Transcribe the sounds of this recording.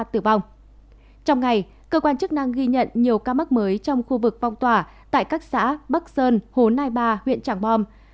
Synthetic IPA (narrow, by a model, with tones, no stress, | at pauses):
t̪ɨ˨˩va˧wŋ͡m | t͡ɕɔ˧wŋ͡mŋa˨˩j | kəː˧kwaː˧nt͡ɕɨ˦˥k̚na˧ŋɣi˧ɲə̰˧˨nɲi˨˩əwkaː˧ma˦˥k̚məː˨˦jt͡ɕɔ˧wŋ͡mxu˧vɨ˨˩k̚fɔ˧wŋ͡mt̪waː˨˩ | t̪a̰ː˧˨jkaː˦˥k̚sa̰ː˧˥ɓa˦˥k̚səː˧nho˨˦nhaː˧jɓaː˧hwḭ˧˨ənt͡ɕaː˧˩ŋɓɔ˧m